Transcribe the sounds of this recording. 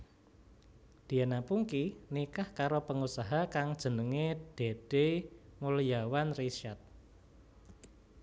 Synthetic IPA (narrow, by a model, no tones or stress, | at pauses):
d̪̥i̤anapuŋkinikahkaɾopəŋusaɦakaŋd̥ʒ̥ə̤nəŋed̥e̤d̥emulijawanriʃat̪̚